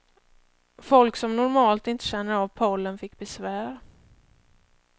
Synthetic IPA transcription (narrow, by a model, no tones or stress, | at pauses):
fɔlksɔmnʊɾmɑːlt̪ɪnt̪əɕɛnːəɾavpʰɔlːənfɪkːbɛsvæːɾ